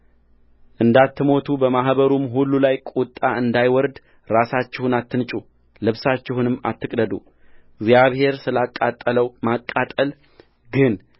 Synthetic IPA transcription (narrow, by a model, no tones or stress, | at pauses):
ʔɨnd̪at̪ːɨmo̞t̪ʰubəmaɦbəɾumɦulːulajkʼut̪ʼːaɨnd̪ajwɔɾd̪ | ɾasat͡ʃːɪhunat̪ːɨnt͡ʃʼu | lɨβsat͡ʃːɪhunɨmːa̰t̪ːɨkʼd̪əd̪ṵ | ɡzjaβhe̞ɾsɨlakʼːat̪ʼːələwmakʼːat̪ʼəl | ɡɨn